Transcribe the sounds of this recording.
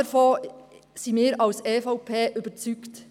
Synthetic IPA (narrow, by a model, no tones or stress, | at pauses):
əɾfoːsimɪːɾɑwseːfɔʊpʰeːʔøbəɾt͡sykt